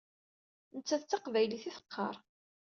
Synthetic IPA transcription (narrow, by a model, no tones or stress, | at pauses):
nət͡sːæθt͡sːɑqvæjliθiθə̥qːɑ̰ɾˤ